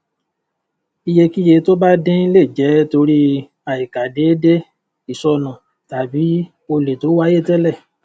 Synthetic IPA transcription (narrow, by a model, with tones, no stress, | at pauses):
i˧je˧ki˦je˧to˦ba˦dẽ˦i˦le˦˨d͡ʒɛ˨˦to˧ɾi˦ | a˨i˨ka˨˦de˨˦de˦ | i˦˨sɔ˧nã˨ | ta˨˦bi˨˦ | o˧le˨to˨˦wa˦je˦˨tɛ˦lɛ˦˨